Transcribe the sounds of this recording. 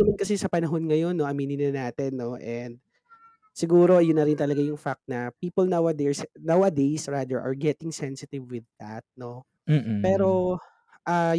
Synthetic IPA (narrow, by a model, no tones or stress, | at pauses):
ɐmɐnkɐsɛsɐpɐnɐɦo̞nŋɐjo̞nːo̞ʔɐmiːnɪnɐnaːt̪ɛnːo̞ʔɛnd̪̚ | sɪɡuːɾo̞jʊnːɐɾɪnt̪ɐlɐɡajʊŋfak̚t̪̚nɐpiːpolnawɐd̪ɛɹsnawɐd̪ejsɹad̪ɛɹʔɐ̰ɹɡɛt̪ɪŋsɛnsɪt̪ɪvwɪðːa̰t̪̚no̞ | pɛːɾo̞ | ʔa